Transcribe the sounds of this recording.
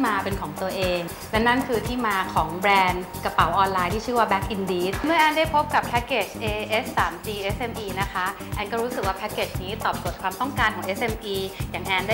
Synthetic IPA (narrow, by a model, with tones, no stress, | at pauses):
maː˧pe˧nkʰɔː˩˦ŋt̪u˧ɐʔeː˧ŋ | lɛ˦˥na˥˩nkʰɯː˧t̪ʰiː˥˩maː˧kʰɔː˩˦ŋbɾɛː˧nkɾa˧pa˩˦wʔɔː˧nlaː˧jt̪ʰiː˥˩t͡ɕʰɯː˥˩waː˥˩bɛː˦˥k̚ʔi˧ndiː˦t̪̚mɯ˥˩ɐʔaː˧ndaː˥˩jpʰo˦˥p̚ka˨˩pʰɛ˦˥keː˨˩t͡ɕʰʔeː˧ʔeː˦˥ssːaː˩˦mt͡ɕiː˧ʔe˦˥sʔe˧mʔiː˧na˦˥kʰa˦˥ | ʔa˧nkɔː˥˩ɾuː˦˥sɯ˨˩k̚waː˥˩pʰɛ˦˥ke˨˩t͡ɕʰniː˦˥t̪ɔː˨˩p̚so˨˩t̪̚kʰwaː˧mt̪ɔ˥˩ŋkaː˧nkʰɔː˩˦ŋʔe˦˥sʔe˧mʔiː˧jaː˨˩ŋʔɛː˧nda˥˩